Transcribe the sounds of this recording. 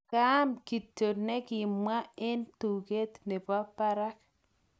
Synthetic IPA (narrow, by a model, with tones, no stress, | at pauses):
ka˦mki˨tːo˨nɛ˦kɪ˨mwa˦e˦ntu˨ke˦t̪ne˨pa˦pːa˦ɾa˦k